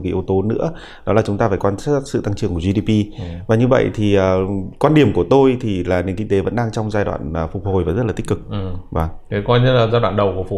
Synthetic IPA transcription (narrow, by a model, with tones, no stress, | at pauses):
ki˨˦ʔu˧t̪o˧nɨ̰˧˥ə | ɗɔ˨˦laː˨˩t͡ɕʊ˨˦ŋ͡mt̪aː˧faː˧˩jkwaː˧na˦˥sɨ̰˧˨t̪a˧ŋt͡ɕɨ˧˩əŋku˧˩əvi˧ɗi˧pi˧vaː˨˩ɲɨ˧və̰˧˨jt̪ʰi˨˩ʔəː˨˩kwaː˧nɗi˨˩əmku˧˩ət̪o˧jt̪ʰi˨˩laː˨˩ni˨˦ŋkï˧ŋt̪e˨˦və̰˧˥nɗaː˧ŋt͡ɕɔ˧wŋ͡mzaː˧jɗwa̰ː˧˨nʔəː˨˩fk͡p̚ho˨˩jvaː˨˩zə˦˥t̚laː˨˩t̪i˦˥kɨ˨˩k̚va˨˩˦kʰe˨˦kɔ˧jɲɨ˧laː˨˩zaː˧jdwa̰˧˨nɗə˨˩wku˧˩fʊ˨˩